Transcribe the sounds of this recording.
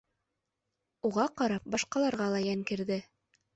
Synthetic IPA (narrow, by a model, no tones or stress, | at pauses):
uʁɑqɑɾɑp̚bɑʃqɑlˠɑɾʁɑlˠɑjæŋkɘ̆ɾðɘ